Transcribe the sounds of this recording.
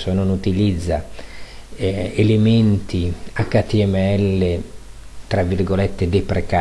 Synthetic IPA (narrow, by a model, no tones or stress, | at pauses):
sononut̪ilid̪zːa | element̪iakːat̪iɛmeɛlːe | t̪ɾavːirɡolɛt̪ːed̪epɾeka